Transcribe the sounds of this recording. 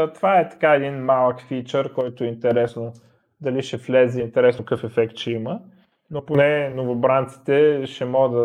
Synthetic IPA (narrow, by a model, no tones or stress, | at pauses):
t̪ovaɛt̪ɐ̥kaɛd̪inmalˠəkfit͡ʃəɾkɔjt̪ʊɛint̪ɛɾɛsno | d̪ɐliʃɛflɛzɛint̪ɛɾɛsnokɤfɛfɛkt̪ʃɛimə | noponɛnovobɾant̪si̥t̪ɛʃɛmɔɡəd̪ə